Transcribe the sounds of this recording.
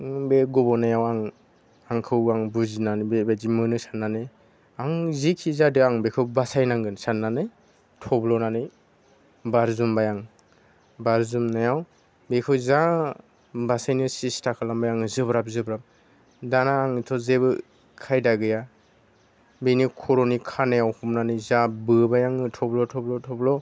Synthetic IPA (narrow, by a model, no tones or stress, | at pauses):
beɡɔbɔnajawaŋ | aŋkʰɯwaŋbuzinanbebazimɯnɯsanːanɯj | aŋzikʰizadɯaŋbekʰɯwbasajnaŋɡɯnsanːanɯj | tʰɔblɔnanɯj | baɾzumbajaŋ | baɾzumnajaw | bekʰɯwza | basajnɯsistʰakʰalambajaŋzɯbɾap̚zɯbɾap̚ | danaːŋitʰɔzebɯ | kʰajdaɡɯja | benikʰɔɾɔnikʰanajawhumnanɯjzabɯbajaŋɯtʰɔblɔtʰɔblɔtʰɔblɔ